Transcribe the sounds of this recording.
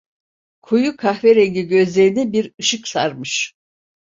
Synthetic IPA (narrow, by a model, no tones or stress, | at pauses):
kʰujukʰahveɾeɲɟiɟøzlʲe̞ɾinɛbiɾɯʃɯksa̰ɾmɯʃ